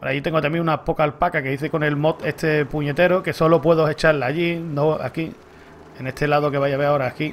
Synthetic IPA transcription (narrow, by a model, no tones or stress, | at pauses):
ona̰jit̪e̞ŋɡot̪amjẽŋunapo̞kalpakake̞ðiθeko̞ne̞lmo̞t̪e̞ht̪ʰe̞puɲe̞t̪e̞ɾoke̞so̞lo̞pweðoɦe̞t͡ʃalaːʎinoa̰ki | ene̞t̪ʰe̞laðoke̞βajaβeɾao̞ɾaːki